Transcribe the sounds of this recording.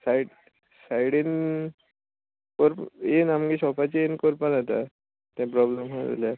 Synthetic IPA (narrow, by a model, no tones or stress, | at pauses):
saiɽ | sajɽin | kɔɾpenamɡiɕɔpat͡ɕienkɔɾpanat̪a | t̪ɛ̃pɾɔblemɦoa̰lja